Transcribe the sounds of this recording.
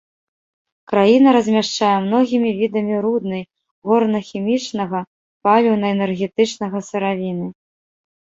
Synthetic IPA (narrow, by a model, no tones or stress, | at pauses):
kɾajinɐɾɐzʲmʲaʂt͡ʂajɛmnɔɣʲimʲivʲid̪ɐmʲiɾud̪̚nɐj | ɣɔrnɐxʲimʲit͡ʂnɐɣɐ | palʲiwnɐɛnɛrɣʲɛt̪ɨt͡ʂnɐɣɐsɨɾavʲinɨ